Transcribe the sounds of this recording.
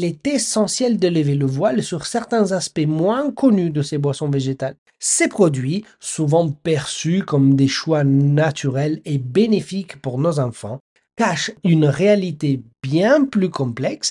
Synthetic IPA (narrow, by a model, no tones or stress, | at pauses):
lɛt̪esɑ̃sjɛld̪ələveləvwalsyʁsɛʁt̪ɛ̃zaspɛmwɛ̃kɔnyd̪əsebwasɔ̃veʒet̪al | sepχɔd̪ɥi | suvɑ̃pɛʁsykɔmd̪eʃwanat̪ʰyʁɛlebenefikpuʁnozɑ̃fɑ̰̃ | kaʃynʁealit̪ebjɛ̃plykɔ̃plɛks